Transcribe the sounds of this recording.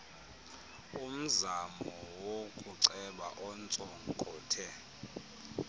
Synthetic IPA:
um̩zamɔwokʼuǀɛɓa̰ʔɔnt͡sʼɔŋkʼɔːtʰɛ

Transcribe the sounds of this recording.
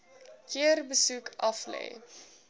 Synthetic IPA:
kiərbəsukʰʔɐflɛ̰j

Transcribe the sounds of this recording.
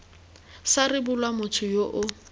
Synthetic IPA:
sarɪbʊlwamʊtʰʊjoʔʊ

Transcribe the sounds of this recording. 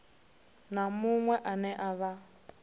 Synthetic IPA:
namuŋwɛʔanɛʔaβa

